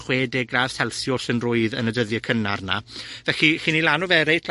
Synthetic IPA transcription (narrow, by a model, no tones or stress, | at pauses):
χweːdeɡraːð̥sɛlˠθjɔsənrʊːɨðənədəðjəkʰənarna̰vɛxiχinilanɔvɛɾejtʰl